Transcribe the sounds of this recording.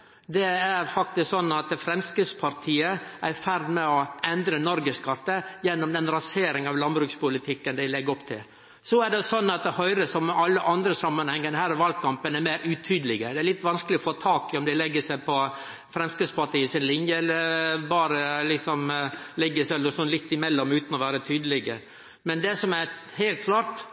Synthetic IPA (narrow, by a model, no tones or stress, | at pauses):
d̪ɛæɾfɑk̚t̪ɪsksɔnːɑt̪fɾɛmskəspʰɑɾt̪ʰiːəʔæɾfæɾd̪mɛɔɛnd̪ɾənɔɾɡəskɑt̪ːəjɛnːɔmd̪ɛnɾɑseːɾɪŋɑʋlɑnbɾʉːkspʊlɪt̪ʰɪkːənd̪æɪlɛɡɔpːt̪ʰɪ̰l | sɔæɖɛsɔnːɑt̪̚d̪hœʏɾəsɔmɑlːəʔɑnd̪ɾəsɑmːənhɛŋːənəhæːɾɔʋɑlɡ̚kʰɑmpənæɾmæɪɾʉt̪ʰyːd̪əlɪɡəd̪ɛæɭɪt̪ːʋɑnskəlɪɔfoːt̪ʰɑːkɪɔmd̪æɪlɛɡːəsæɪpʰɔ | fɾɛmskɾɪt̪spɑʈiːəsɪnlɪnjəɛlːəɾbɑːɾəlɪksɔmlɛɡːəsɛlːəsɔnlɪt̪ːɪmɛlːɔmʉːt̪nɔʋæːɾət̪ʰyːd̪əlɪɡə | mɛnd̪ɛsɔmæɾhæɪlt̪̚kʰlɑːɾt̪